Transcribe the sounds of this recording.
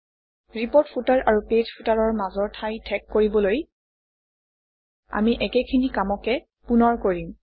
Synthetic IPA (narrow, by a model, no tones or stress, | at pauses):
ɹipoɹtpʰutaɹʔaɹupezpʰutaɹɔɹmazɔɹtʰajtʰɛkːoɹibɔloj | a̰miʔɛkɛkʰinikamɔkɛ | punɔɹkoɹim